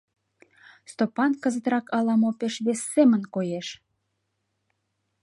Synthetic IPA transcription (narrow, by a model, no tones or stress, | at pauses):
st̪opɑnkəzət̪rɑkɑlɑmopeʃβesːemənkojeʃ